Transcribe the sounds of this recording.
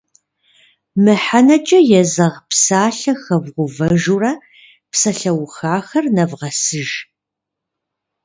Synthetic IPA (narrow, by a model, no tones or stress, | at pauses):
mɨħanɐt͡ʃʼɐjɛzɐʁpsaːɬɐxɐvʁʷʊvɐʒurɐ | psɐɬɐwxaːxɐrnɐvʁɐsɨʒ